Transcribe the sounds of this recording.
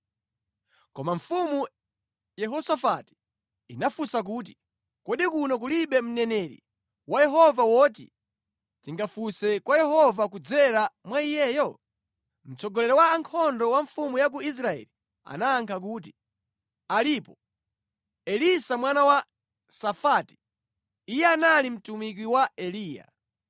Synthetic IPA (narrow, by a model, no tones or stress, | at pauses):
kɔmaɱ̩fumu | jɛɦɔsafati̥ | inafusak̬uːt̬i̥ | kɔɗikunɔk̬uliɓɛm̩nɛnɛɾḭ | wajɛɦɔvawɔːt̬ḭ | tiŋɡafusɛkwajɛɦɔvakud͡zɛɾamwaijɛːjɔ | m̩t͡sɔɡɔlɛɾɔwaːŋkʰɔndɔwaɱfumujak̬uis̬ɾaɛ̰li | a̰naːŋkʰak̬uːt̬i̥ | alipɔ | ɛlisamwanawa | safaːti̥ː | jɛanalim̩tumik̬wiwaɛliːja̰